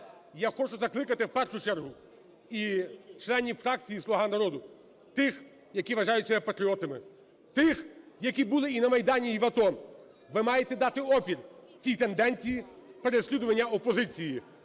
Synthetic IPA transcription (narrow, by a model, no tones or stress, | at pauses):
jaxɔt͡ʃʊzɐklˠɪkɐt̪ɪwpɛrʃʊt͡ʃɛrɦʊ | it͡ʃlˠɛnʲiwfɾɑk̚t͡sʲijislˠɔɦɑnɐɾɔd̪ʊ | t̪ɪx | jɐkʲiʋɐʒɑjʊtʲːɐpɐt̪ɾʲiɔt̪ɪmɪ | t̪ɪxjɐkʲibulˠɪinɐmɐjd̪ɑnʲiːʋɐt̪ɔ | ʋɪmɑjet̪ɛd̪ɑt̪ɪɔpʲir | t͡sʲijt̪e̞nd̪ɛnʲt͡sʲijipeɾesʲlʲid̪ʊʋɐnʲːɐɔpɔzɪt͡sʲiji